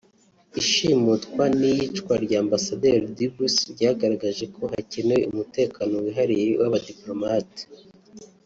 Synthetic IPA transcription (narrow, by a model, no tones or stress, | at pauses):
iʃimutkwanijit͡ʃkwaɾɟaːmbasadeɾdibusɾɟaɡaɾaɡaʒe̞kʰo̞ɦaceneumute̞ːkanowiɦaɾijewʔaβadiplo̞mati̥